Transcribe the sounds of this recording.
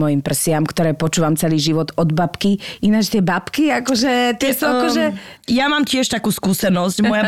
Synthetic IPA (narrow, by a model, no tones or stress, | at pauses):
ɔjimpr̩sɪamkt̪ɔɾɛːpɔt͡ʃuːʋamt͡sɛliːʒiʋɔd̪ɔd̪bapkiinat͡ʃt̪ɪɛbapkiakɔʒɛt̪ɪɛsuakɔʒɛjamaːmcɪɛʃt̪akuːskuːsɛnɔzcmɔja